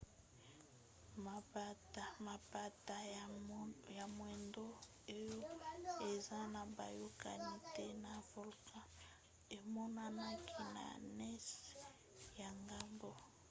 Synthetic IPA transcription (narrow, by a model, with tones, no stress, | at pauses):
ma˨ba˦ta˨ma˨ba˦ta˨ | ja˨mwe˨ndo˦ | e˦jo˦e˨za˦na˨ba˨ju˦ka˨ni˦te˦na˨vo˨lkʰã˦ | e˨mɔ˦na˦na˦kʰi˦na̰˨nɛ˦s | ja˨ŋɡa˦mbo˦